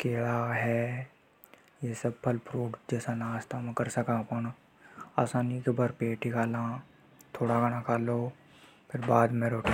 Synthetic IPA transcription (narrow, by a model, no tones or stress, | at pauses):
keːɭaɦɛː | jesəbpəlpɾoːɖd͡ʒɛːsanaːst̪amɛ̃kəɾsəkãːpən | aːsaːnikebəɾpeːʈikaːlãː | t̪ʰoːɽakanãkʰaːloː | pʰɪɾbaːd̪mɛ̃ɾoːʈː